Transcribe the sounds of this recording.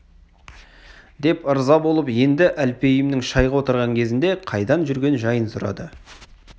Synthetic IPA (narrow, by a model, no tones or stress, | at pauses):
d̪e̞pəɾzɑbo̞lˠəpje̞nd̪ɪʔælpe̞jɪmnɪŋʃɑjʁɑwo̞t̪əɾʁɑŋkʲʰe̞zɪnd̪e̞qʰɑjd̪ɑnʒʏɾɡʲe̞nʒɑjənsʊɾɑ̰d̪ə